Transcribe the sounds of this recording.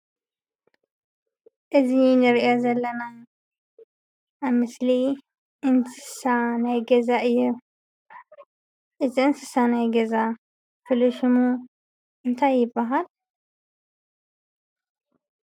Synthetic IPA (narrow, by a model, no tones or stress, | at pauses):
ʔɨzinɨɾʔozɐlːɐna | βmɨsli | ʔɨnsɨ̥sanajɡɐzaʔɨjːu | ʔɨziɨnsɨsanajɡɐza | fɨlɨʃɨmu | ʔɨnt̪ʰajːɪbːaɦal